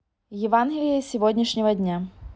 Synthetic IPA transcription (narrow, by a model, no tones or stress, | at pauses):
jɪvanɡʲɪlʲɪjəsʲɪvod̪ʲnʲɪʂnʲɪvədʲnʲa